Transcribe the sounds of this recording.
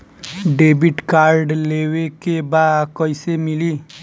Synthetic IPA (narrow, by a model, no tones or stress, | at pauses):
ɖebiʈkaɾɖlewekebakɔjsemiliː